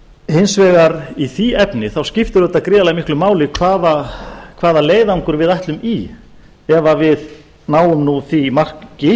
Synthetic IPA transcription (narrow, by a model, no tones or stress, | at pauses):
hɪnsvɛːɣaɾiθiɛpnɪθawscɪft̪ɪɾœt̪aðkɾɪalamɪhklʏmaːwlɪkʰvaːðakʰvaːðaleːjðauŋkʏɾvɪðaht̪lʏmi | ɛvavɪð | naːwʏmnuθimar̥kcɪ